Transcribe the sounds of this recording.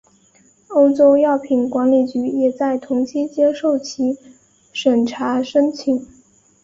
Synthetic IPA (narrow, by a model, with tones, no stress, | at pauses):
o˥ʊʈ͡ʂo˥ʊjɑ˥˩ʊpʰi˨˩nkwa˧˥nli˨˩t͡ɕy˧˥jɛ˨˩t͡sa˥˩ɪt̪ʰʊ˧˥ŋt͡ɕʰi˥t͡ɕjɛ˥ʂo˥˩ʊt͡ɕʰi˧˥ | ʂə˨˩nʈ͡ʂʰa˧˥ʂə˥nt͡ɕʰi˨˩˦ŋ